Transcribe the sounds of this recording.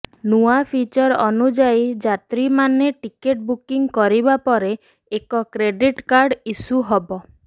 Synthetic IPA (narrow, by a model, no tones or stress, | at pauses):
nuapʰit͡ʃɔɾɔnud͡ʒajid͡ʒat̪ɾimaneʈikeʈ̚bukiŋkɔɾibapɔɾeː | kɔkɾeɖiʈkaɾɖisuɦɔbɔ